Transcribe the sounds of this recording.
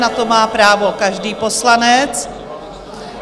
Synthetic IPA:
nat̪o̞maːpɾaːvo̞kaʒdiːpo̞slanɛt͡s

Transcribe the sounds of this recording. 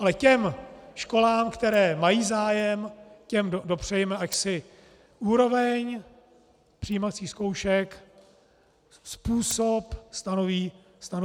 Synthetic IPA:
ʔalɛcɛmʃko̞laːmkt̪ɛɾɛːmajiːzaːjɛmcɛmodo̞pr̝̥ɛjɛmɛʔacsɪ | ʔuːɾo̞vɛɲ | pr̝̥ɪjimat͡siːsko̞wʃɛk | spuːso̞pst̪anoviː | st̪ano

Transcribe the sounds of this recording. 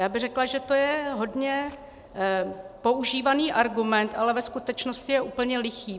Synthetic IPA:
jaːbɪɣrɛklaʒɛt̪ojɛɦo̞dɲɛ | po̞ʔuʒiːvaniːʔaɾɡumɛnt̪ʔalɛvɛskut̪ɛt͡ʃnoscɪjɛʔuːpl̩ɲɛlɪxiː

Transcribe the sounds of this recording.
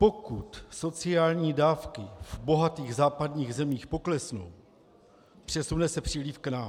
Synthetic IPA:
po̞kut̪so̞t͡sɪaːlɲiːdaːfkɪvbo̞ɦat̪iːɣzaːpadɲiːɣzɛmiːxpo̞klɛsno̰w | pr̝̥ɛsunɛsɛpr̥iːliːfknaːm

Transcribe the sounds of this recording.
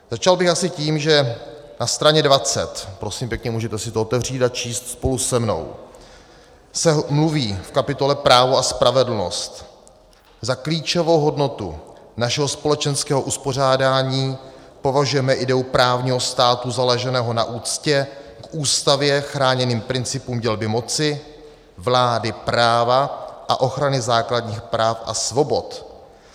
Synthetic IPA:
z̥at͡ʃalbɪxasɪciːmʒɛ | nast̪ɾaɲɛdvat͡sɛ̰t̪pɾo̞siːmpjɛkɲɛmuːʒɛt̪ɛsɪt̪oot̪ɛvr̝iːt̪at͡ʃiːst̪spo̞lusɛmno̞̰w | sɛmluviːfkapɪt̪o̞lɛpɾaːvo̞aspɾavɛdl̩no̞̰st̪ | zakliːt͡ʃovo̞wɦo̞dno̞t̪ṵnaʃɛɦospo̞lɛt͡ʃɛnskɛːɦo̞ʔuspo̞r̝aːdaːɲiːpovaʒujɛmɛʔɪdɛupɾaːvɲiːɦo̞st̪aːt̪uzalɛʒɛnɛːɦo̞naʔuːt͡scɛkʔuːst̪avjɛxɾaːɲɛniːmpɾɪnt͡sɪpuːmɟɛlbɪmo̞t͡sɪ | vlaːdɪpɾaːvaʔa̰ʔo̞xɾanɪzaːkladɲiːxpɾaːfʔa̰svo̞bo̞t̪

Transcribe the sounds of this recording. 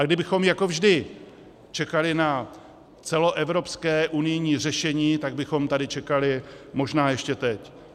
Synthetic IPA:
ʔaɡdɪbɪxo̞mjako̞vʒdɪ | t͡ʃɛkalɪna | t͡sɛlo̞ʔɛvɾo̞pskɛːʔunɪjɲiːr̝ɛʃɛɲiːt̪aɡ̚bɪxo̞mt̪adɪt͡ʃɛkalɪmo̞ʒnaːjɛʃcɛt̪ɛc

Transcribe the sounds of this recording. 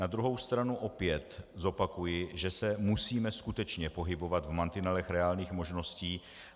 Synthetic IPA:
nad̪ɾuɦo̞wst̪ɾanuʔo̞pjɛt̪zo̞pakujɪʒɛsɛmusiːmɛskut̪ɛt͡ʃɲɛpo̞ɦɪbo̞vat̪vmant̪ɪnalɛxɾɛaːlɲiːxmo̞ʒno̞sciː

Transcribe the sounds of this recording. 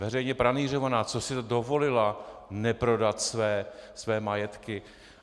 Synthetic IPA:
vɛrɛjɲɛpɾaniːr̝ovanaːt͡sosɪt̪do̞vo̞lɪlanɛpɾo̞dat̪svɛːsvɛːmajɛt̪kɪ

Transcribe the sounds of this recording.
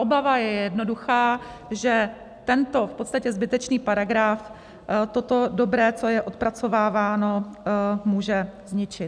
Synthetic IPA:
ʔobavajɛjɛdno̞duxaː | ʒɛ | t̪ɛnt̪o̞fpo̞t̪st̪acɛzbɪt̪ɛt͡ʃniːpaɾaɡɾaf | t̪ot̪o̞do̞bɾɛːt͡so̞jɛʔo̞t̪̚pɾat͡so̞vaːvaːno̞ | muːʒɛzɲɪt͡ʃɪt̪

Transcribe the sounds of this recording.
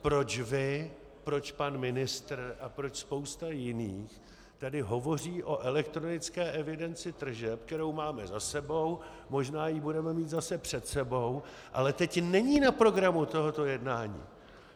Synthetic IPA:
pɾo̞t͡ʃvɪ | pɾo̞t͡ʃpanmɪnɪst̪r̩ʔapɾo̞t͡ʃspo̞wst̪ajɪniːx | t̪adɪɦo̞vo̞riːʔo̞ʔɛlɛkt̪ɾo̞nɪt͡skɛːʔɛvɪdɛnt͡sɪt̪r̩ʒɛpkɛɾo̞wmaːmɛzasɛbo̞w | mo̞ʒnaːjibudɛmɛmiːt̪zasɛpr̝̥ɛt̪sɛbo̞w | ʔa̰lɛt̪ɛcnɛɲiːnapɾo̞ɡɾamut̪o̞ɦot̪o̞jɛdnaːɲḭː

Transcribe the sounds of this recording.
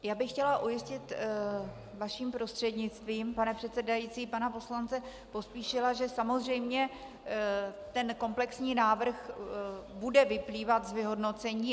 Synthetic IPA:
jaːbɪxːcɛlaʔujɪscɪt̪ | vaʃiːmpɾo̞st̪r̥ɛdɲɪt͡st̪viːmpanɛpr̥ɛt̪sɛdajiːt͡siːpanapo̞slant͡sɛ | po̞spiːʃɪlaʒɛsamo̞zr̝ɛjmɲɛ | t̪ɛnko̞mplɛksɲiːnaːvr̩x | budɛvɪpliːvat̪zvɪɦo̞dno̞t͡sɛɲiː

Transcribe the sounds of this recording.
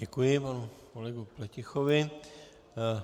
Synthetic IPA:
ɟɛkujɪpanukolɛɡuplɛcɪxovɪ

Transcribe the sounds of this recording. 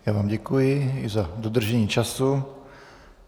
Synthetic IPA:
jaːvaːmɟɛkujɪɪzadod̪r̩ʒɛɲiːt͡ʃasu

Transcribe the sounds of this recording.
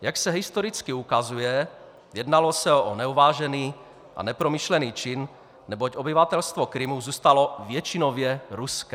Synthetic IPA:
jaksɛɦɪst̪oɾɪt͡skɪukazujɛ | jɛdnalosɛʔonɛuvaːʒɛniː | ʔa̰nɛpɾomiʃlɛniːt͡ʃɪnː | ɛbocʔobɪvat̪ɛlst̪vokɾɪmuzuːst̪alovjɛt͡ʃɪnovjɛɾuskɛ

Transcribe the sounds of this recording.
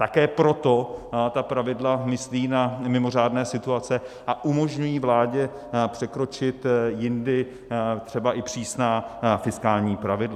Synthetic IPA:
t̪akɛːpɾo̞t̪o̞t̪apɾavɪdlamɪsliːnamɪmo̞r̝aːdnɛːsɪt̪uat͡sɛʔaʔumo̞ʒɲujiːvlaːɟɛ | pr̥ɛkɾo̞t͡ʃɪt̪jɪndɪ | t̪r̝̥ɛbaʔɪpr̝̥iːsnaːfɪskaːlɲiːpɾavɪdla

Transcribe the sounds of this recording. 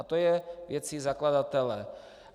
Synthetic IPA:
at̪ojɛvjɛt͡sizaklad̪at̪ɛlɛ

